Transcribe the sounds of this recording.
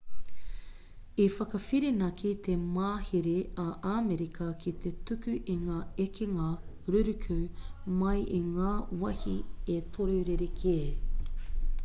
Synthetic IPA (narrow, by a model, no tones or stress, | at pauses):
ifɐkɐfiɾinɐkʰit̪ʰemaːhiɾeɐʔameɾikʰɐkʰit̪ʰet̪ʉkʉʔiŋaːekʰiŋɐ | ɾʉɾʉkʰʉmɐjiŋaːwɐhiet̪ʰoɾoɾeɾekʰeː